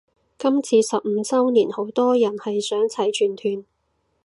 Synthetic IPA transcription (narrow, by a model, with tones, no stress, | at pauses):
kɐ˥mt͡sʰiː˧sɐ˨p̚m̩˨˧t͡sɐ˥wniː˨˩nho˨˥wt̪ɔː˥jɐ˨˩nhɐ˨jsœː˨˥ŋt͡sʰɐ˨˥jt͡ʃʰyː˨˩nt̪ʰyː˨˩n